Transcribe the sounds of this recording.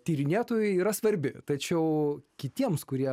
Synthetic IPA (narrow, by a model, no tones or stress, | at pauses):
t̪ʲiːɾʲɪnʲeːt̪oːjʊɪiːɾɐsʋɐɾʲbʲɪt̪ɐt͡ʃʲɛʊkʲɪt̪ʲiɛmskʊɾʲiɛ